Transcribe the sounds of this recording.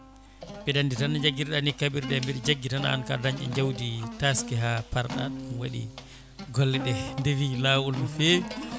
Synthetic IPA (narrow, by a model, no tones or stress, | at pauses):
bɛɗanditanːaɲd͡ʒaɡiɾɗanikabiɾɗɛmbiɗɛd͡ʒaɡːitana̰a̰nkadaɲʔɛ̰ɲd͡ʒawditaskɛɦapaɾɗa̰ɗunwaɗḭ | ɡɔlːɛɗɛndewilaːwulmɔfeːwi